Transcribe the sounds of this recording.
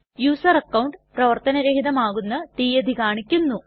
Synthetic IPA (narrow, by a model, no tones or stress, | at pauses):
juːsɐrɐkːɐwɳʈprɐʋɐrt̪ɐnɐɾɐɦid̪ɐmaːɣunːɐt̪iːjɐd̪ʱikaːɳikʲːunːu